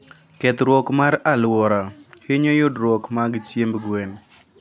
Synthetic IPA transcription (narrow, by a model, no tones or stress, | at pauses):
kɛt̪ɾwɔkmaɾalwɔɾaheɲojʊdɾwɔkmaɡt͡ʃjembɡwen